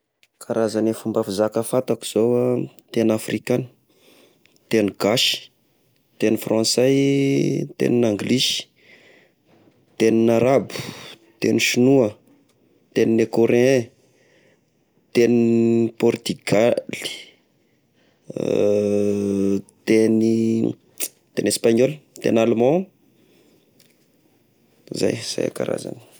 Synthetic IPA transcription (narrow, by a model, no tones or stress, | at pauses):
kʰaɾazanefumbafizakəfat̪aki̥z̥owa | t̪enafrikan | t̪eniɡ̥aʃi̥ | t̪enifrãsaj | t̪ḛninaŋɡliʃi̥ | t̪eninaɾabu̥ | t̪ḛniʃinuə | t̪eninekoɾeɛ̃ | t̪enipɔrt̪yɡali̥ | t̪eni | t̪enespaɲɔlt̪ḛnalmɑ̃ | za̰jz̥a̰ja̰ka̰ɾa̰za̰ni̥